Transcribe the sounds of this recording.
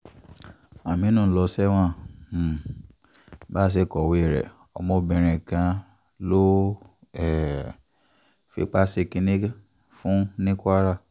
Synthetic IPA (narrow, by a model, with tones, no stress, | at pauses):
a˨mĩ˨˦nũ˦˨˦lɔ˧sɛ˦w̃ã˦˨ | ba˦s̬e˦˨kɔ˨we˨˦˨ɾɛ̰˨ | ɔ̰˧mɔ̃˦˨bɛ̃˧˨ɾ̃ɛ̃˨kã˧˦ | lo˦ | ɛ˦˨ | fḭ˧˦k͡pa˦se˦˨kĩ˧nĩ˦ | fũ˦nĩ˦kʷa˦ɾa˦˨